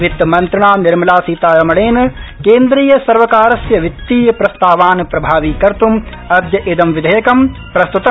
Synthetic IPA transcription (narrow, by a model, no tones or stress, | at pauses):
ʋit̪ːmɐnt̪ɾɐɳaːniɾmɐlaːsiːt̪aːɾɐmɐɭeːnɐkeːnd̪ɾiːjɐsɐɾʋɐkaːɾɐsjɐʋit̪ːiːɐpɾɐst̪aːʋaːnɐpɾɐbʱaːʋiːkɐɾt̪um | ɐd̪jɐʔed̪ɐmʋid̪ʱɐjɐkɐmpɾɐst̪ut̪ɐ